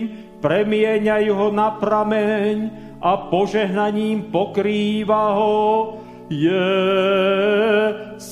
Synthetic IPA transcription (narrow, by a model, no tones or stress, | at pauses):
m | pɾɛmɪɛɲajuɦɔnapɾamɛɲ | ʔapɔʒɛɦnaɲiːmpɔkɾiːʋaɦɔ | jɛ | s